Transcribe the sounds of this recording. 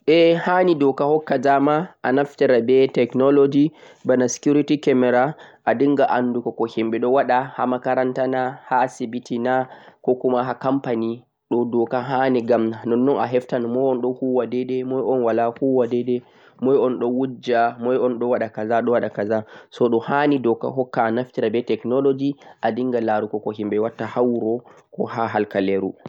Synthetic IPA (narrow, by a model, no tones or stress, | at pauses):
ʔɛhanidɔkahɔkːad͡ʒamaʔanaftɛɾabɛtɛknɔlod͡ʒi | banasi̥kuɾitikɛmɛɾaʔadiŋɡaʔanːdukɔkɔhɛmbɛɗɔwaɗaha̰makaɾantanahasibitinakɔkumaɦakampani | ɗɔdɔkaɦanɛɡamnanɔnːɔnaɦɛftanmɔjɔnɗɔhuwadɛɗɛmɔjɔnwalahuwadɛdɛ | mɔjɔnɗɔwud͡ʒamɔjɔnɗɔwaɗakazaɗɔwaɗakazasɔɗɔhanidɔka̰ɦɔkːaːnaftiɾabɛtɛknɔlod͡ʒiʔadiŋɡalaɾukɔkɔhimɓɛwatːahawɾɔkɔhaɦalkaleɾṵ